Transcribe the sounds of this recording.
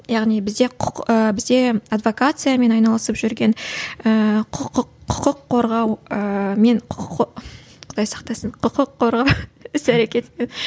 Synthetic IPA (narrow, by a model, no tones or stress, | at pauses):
jɑʁnijbɪzd̪e̞qʰəbɪzd̪e̞ad̪vo̞kat̪sɨjame̞nɑjnɑlˠəsəpʒʏɾɡʲe̞nəqʰqʰːʊ̥qəqʰːo̞ɾʁɑwəme̞ɴqʰqʰ | qʰʊd̪ɑjsɑ̥qt̪ɑsəɴqʰʊqəqʰːo̞ɾʁɑwʏsæɾe̞kʲe̞t̪men